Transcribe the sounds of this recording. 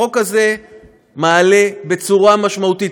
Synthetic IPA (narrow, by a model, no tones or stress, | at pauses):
o̞kaze̞ | maːle̞be̞t͡suʁamaʃmaut̪it